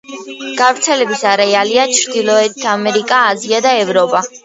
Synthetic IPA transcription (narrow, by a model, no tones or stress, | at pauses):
ɡ̥avɾt̪sʰɛlɛbisaɾɛaliat͡ʃʰɾd̪ilˠɔɛt̪ʰamɛɾikʼaːziad̪aɛvɾɔpʼa